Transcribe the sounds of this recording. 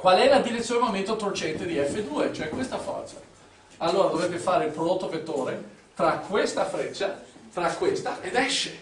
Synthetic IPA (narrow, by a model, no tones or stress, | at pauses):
kwalɛlad̪iɾet̪sjoːnmoment̪ot̪ort͡ʃɛnt̪ed̪iɛfːed̪uːet͡ʃoɛkwest̪afɔ̰rt̪sa | alːoːɾad̪ovɾet̪ːefaːɾeilpɾod̪ot̪ːovet̪ːoːɾe | t̪ɾakʰwest̪afɾet͡ʃːat̪ɾakːwest̪aʔed̪ɛʃːe